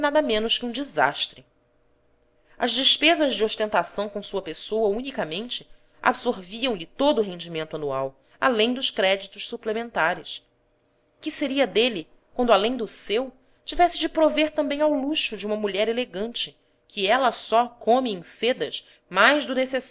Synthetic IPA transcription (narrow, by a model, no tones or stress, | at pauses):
nad̪ɐmẽnʊʃkɪũd͡ʒiza̰ʃt̪ɾɪ | ɐzd͡ʒɪʃpezɐzd͡ʒɪoʃt̪ẽnt̪asɐ̃w̃kõw̃suɐpesowɐunikɐmẽnt͡ʃɪ | a̰bsoɾviɐ̃w̃lɪt̪od̪ʊɦẽɲd͡ʒimẽnt̪ʊanuaw | a̰lẽj̃d̪ʊʃkɾɛd͡ʒit̪ʊʃsuplemẽnt̪aɾɪs | kɪseɾiɐd̪eli | kwɐ̃nd̪ʊalẽj̃d̪ʊsew | t͡ʃivɛsɪd͡ʒɪpɾoveɾt̪ɐ̃mbẽj̃awluʃʊd͡ʒiũmɐmuʎɛɾeleɡɐ̃nt͡ʃɪ | kʰiɛlɐsɔkʰõmɪẽj̃sed̪ɐʃ | majzd̪ʊneses